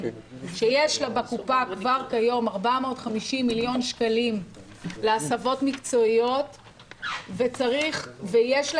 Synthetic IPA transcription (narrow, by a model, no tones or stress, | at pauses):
ʃejeʃlabakupakvaʁkajo̞maʁbamo̞ːt̪χamiʃimːiljo̞nʃkalim | leasavo̞tmikt͡so̞ijo̞t | vet͡saʁiχvejeʃl